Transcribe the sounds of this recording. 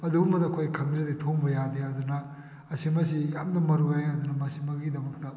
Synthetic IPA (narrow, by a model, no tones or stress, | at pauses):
ɐdubumɐdɐkʰojkʰɐŋdɾeditʰoŋbɐjadeɐdunɐ | ɐsimɐsijamdɐmɐɾuajɐdunɐmɐsimɐɡidɐmɐk̚tɐ